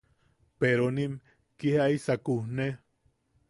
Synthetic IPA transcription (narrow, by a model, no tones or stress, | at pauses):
peɾonim | kihaisakuhne